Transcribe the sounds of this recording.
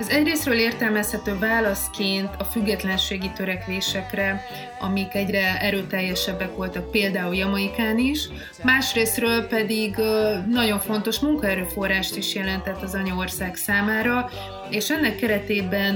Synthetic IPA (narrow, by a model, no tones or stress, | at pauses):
ɛzɛɟreːsrøːleːrt̪ɛlmɛshɛt̪øːvaːlɒskeːnt̪ʰɒfyɡːɛt̪lɛnʃeːɡit̪øɾɛkʋeːʃɛkrɛ | ɒ̰mikɛɟrɛɛɾøːt̪ɛjːɛʃɛbːɛkʋo̞lt̪ɒk̚peːld̪aːuljɒmɒikaːniʃ | maːʃreːsrøːlpɛd̪iɡnɒɟo̞ɱfo̞nt̪o̞ʃmuŋkɒɛɾøːfo̞rːaːʃt̪iʃjɛlɛnt̪ɛt̪ːɒzɒɲɒo̞rsaːksaːmaːɾɒ | eːʃɛnːɛkːɛɾɛt̪eːbɛn